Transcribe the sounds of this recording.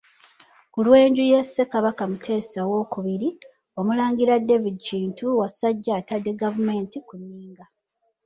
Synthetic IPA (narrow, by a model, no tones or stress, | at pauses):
kulwe̞ːɲɟuje̞sːe̞kaβakamutʰe̞ːsawo̞kuβiɾi | o̞mulaːŋɡiɾadːe̞vidt͡ʃiːntuwasaɟːatadːe̞ɡavume̞ːntikunːiːŋɡa